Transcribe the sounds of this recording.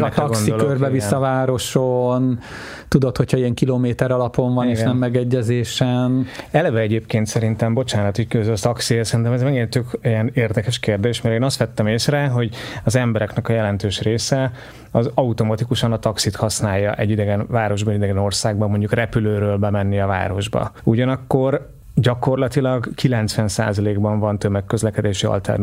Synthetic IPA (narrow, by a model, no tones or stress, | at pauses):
kt̪ɒɡoksndiolkørbɛvisːɒvaːɾo̞ʃon | t̪ud̪ot̪ho̞cʰhɒiɛŋkiloːmeːt̪ɛɾɒlɒpo̞ɱvɒneːʃnɛmːɛɡɛɟːɛzeːʃɛnɛlɛvɛɛɟeːpkeːnt̪sɛɾint̪ɛmbo̞t͡ʃaːnɒt̪ickøzølt̪ɒksiesɛɾint̪ɛmɛzmɛɡent̪økijɛneːrd̪ɛkɛʃkeːrd̪eːʃt̪mɛɾeːnɒst̪ʋɛt̪ːɛmeːsrɛɦo̞ɟɒzɛmbɛɾɛknɛkɒjɛlɛnt̪øːʃreːsɛ | ɒzɒut̪o̞mɒt̪ikuʃɒnɒt̪ɒksit̪hɒsnaːjːɒ̰ʔɛɟid̪ɛɡɛnvaːɾo̞ʒbɒɛɟid̪ɛɡɛno̞rsaːɡbɒmo̞ɲɟukrɛpyløːɾøːlbɛmɛnːiɒva̰ːɾo̞ʒbɒ̰uɟɒnɒkːor | ɟɒko̞rlɒt̪ilɒɡkʰilɛnt̪sʋɛnsa̰ːzɒleːɡbɒɱvɒnt̪ømɛkːøzlɛkɛd̪eːʃiɒ̰lt̪ɛ̰r